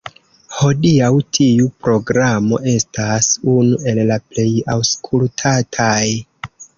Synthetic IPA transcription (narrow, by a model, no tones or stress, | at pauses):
ho̞diawtʰiupɾo̞ɡɾamo̞̰ʔe̞stasunue̞lːaple̞jawskʰultʰatʰaj